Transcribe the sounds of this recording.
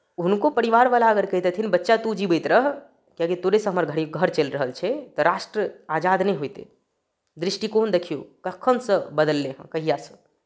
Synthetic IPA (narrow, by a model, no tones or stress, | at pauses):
ɦunkopəɾiʋaɾʋalaəɡəɾkəɦt̪et̪ʰinbətːʃat̪ud͡ʒibəjt̪ɾəɦ | kiãkit̪oɾesə̃ɦəməɾɡʱəɽiɡʱəɾt͡ʃelɾəɦəlt͡ʃʰɛt̪ɔɾaʃʈɾəad͡ʒad̪nɛɦojt̪ḛ | d̪ɾiʃʈikond̪ekʰijokəkʰːənsə̃bəd̪əlːeɦə̰̃kəɦijasə̃